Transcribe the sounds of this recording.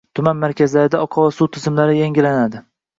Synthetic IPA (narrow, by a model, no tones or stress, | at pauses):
t̪ʰʊmanmaɾkʲʰazlaɾɪd̪aɒqʰɒvasut̪ʰɪzɪmlaɾɪjaŋʲɪlanad̪ɪ